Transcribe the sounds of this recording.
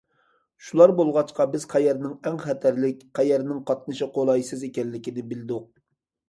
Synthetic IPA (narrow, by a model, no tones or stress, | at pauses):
ʃulˠɑɾbolˠʁɑt͡ʃqɑbɪz̥qʰɛjɛɾnɪŋɛŋχɛt̪ʰɛɾlɪkʲqɛjɛɾnɪŋqʰɑt̪̚nɨʃɨqʰolˠɑjsɨzekʲɛnlːɪkʲinɪbɪlɪd̪ʊq̚